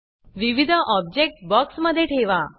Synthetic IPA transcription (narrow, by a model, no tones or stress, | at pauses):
ʋiʋid̪ʱəʔɔb̚d͡ʒek̚ʈbɔksməd̪ʱːjeʈʰeʋa